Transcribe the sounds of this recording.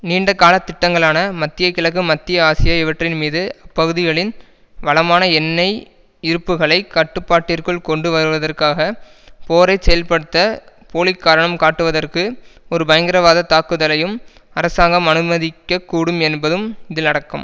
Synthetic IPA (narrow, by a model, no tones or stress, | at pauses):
niːɳɖɐkːaːlɐt̪ːɪʈːɐŋɡɐɭaːnɐmɐt̪ːɪjɐkɪlɐɣɯmɐt̪ːɪjɐaːsɪjɐɪʋɐʈrɪnmiːðɯɐpːɐɣɯðɪɣɐɭɪn | ʋɐlɐmaːnɐɛnːɐɪ | ɪɾɯpːɯɣɐɭɐɪkɐʈːɯpːaːʈːirkɯɭkɔɳɖɯʋɐɾɯʋɐðɐrkaːɣɐ | poːɾɐɪsɛjɐlpɐɽɯt̪ːɐ | poːɭɪkːaːɾɐɳɐmkaːʈːɯʋɐðɐrkɯɔɾɯbɐjɐŋɡɪɾɐʋaːðɐt̪aːkɯðɐlɐjɯm | ɐɾɐsaːŋɡɐmɐnɯmɐðɪkːɐkːuːɽɯmɛnbɐðɯmɪðɪnɐɽɐkːɯ̰m